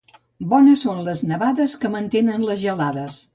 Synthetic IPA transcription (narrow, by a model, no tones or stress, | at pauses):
bɔnəsːonləznəβaðəskəmənt̪enənləzʒəlaðəs